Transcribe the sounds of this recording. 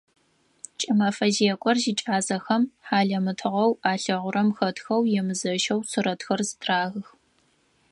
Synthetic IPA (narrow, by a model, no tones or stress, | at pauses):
t͡ʃʼɐmɐfɐzijɛkʷʼɔrziːt͡ʃʼaːzɐxɐmħaːɮɐmɨtʰɨʁɐwaːɬɐʁʷʊɾʔɐmxɐtxɐwjɛmɨzɐʒɐwsʰɨɾɐtxɐrzɨtʰraːɣɨx